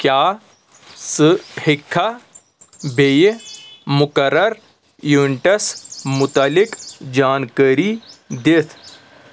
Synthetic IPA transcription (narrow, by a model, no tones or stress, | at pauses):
kjaː | sɨhɪkʰːa | bʱej | mʊkɐɾːɐɾ | juɳʈɐsmʊt̪alɪkd͡ʒaːnkəːɾid̪et̪ʰ